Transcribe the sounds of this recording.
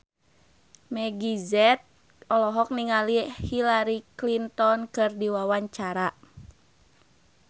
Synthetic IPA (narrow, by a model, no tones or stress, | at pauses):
mɛɡizɛt̪̚ | ɔlɔɦɔk̚niŋalihilaɾiklint̪ɔnkɨrdiwawaɲt͡ʃaɾa